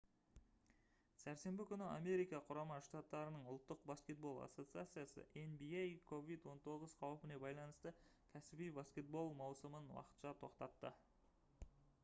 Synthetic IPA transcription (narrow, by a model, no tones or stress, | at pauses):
sæɾse̞mbɪkʲʰʏnɪame̞ɾijkɑqʰʊɾɑmɑʃt̪at̪ːɑɾənəɴʊlˠt̪ːəqbaskʲe̞t̪̚bo̞lˠa̰sːo̞t̪sɨat̪sɨjasə̰ʔenbiejkʰo̞vijt̪wo̞nt̪ʰo̞ʁəz̥qʰɑwəpɪne̞bɑjlˠɑnəst̪əkʲʰæsɪbijbaskʲe̞t̪̚bo̞lˠmɑwsəmənwɑ̰qə̥t̪ʃɑt̪ʰo̞qt̪ɑt̪ːə